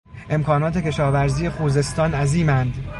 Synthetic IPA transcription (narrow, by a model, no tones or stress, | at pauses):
ʔe̞mkʰɒːnɒːt̪ʰe̞cʲe̞ʃɒːvæɾziːje̞xuːze̞st̪ɒːnæziːmænd̪